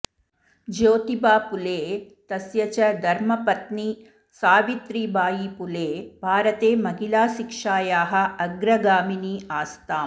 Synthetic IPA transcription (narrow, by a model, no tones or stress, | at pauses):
d͡ʒoːt̪ibaːpuleː | t̪ɐsjɐt͡ʃɐd̪ʱɐɾmɐpɐt̪ni | saːʋit̪ɾiːbaːjiːpuleːbʱaːɾɐt̪eːmɐɦilaːʃikʂaːjaːɦɐ̆ɐɡɾɐɡaːminiːaːst̪aː